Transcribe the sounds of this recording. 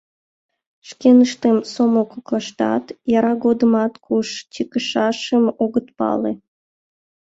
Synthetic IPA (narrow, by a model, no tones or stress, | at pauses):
ʃkenəʃt̪emsomokoklɑʃt̪ɑ̰t̪jɑɾɑɣod̪əmɑt̪kʰuʃt͡ɕikəʃɑʃəmoɣət̪pɑ̰le